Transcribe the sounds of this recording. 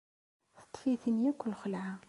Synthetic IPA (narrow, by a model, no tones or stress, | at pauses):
θə̥t̪ˤːfiθənjækʷːlxəlʕa